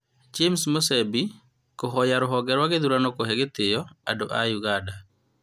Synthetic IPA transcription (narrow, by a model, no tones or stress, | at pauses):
d͡ʒemsmosɛbi | koɦɔjaɾʊɦɔɡɛɾwaɡed̪uɾanokoɦɛɡet̪ɪjɔa̰doʔajuɡada